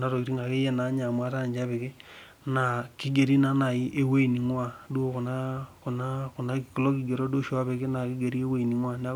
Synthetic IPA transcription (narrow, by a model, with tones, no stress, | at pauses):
na˦ɾo˨i˨ɾi˦ŋɡa˨ke˦jɛ˦na˨˦ɲa˨mwa˦ta˦n˨ɲd͡ʒa˦βe˨ke˦ | na˨ki˦ɡe˨ɾi˦na˦na˨i˦ʔe˦we˦i˨ni˨ŋwa˦˨du˦o˦ko˨na˦ko˨na˦ko˨na˦ki˨klɔ˦ki˨ɡe˨ɾo˦do˦ʃo˨a˦βe˨ke˦na˨ki˦ɡe˨ɾi˦e˦we˦i˨ni˨ŋwa˦n˦a˦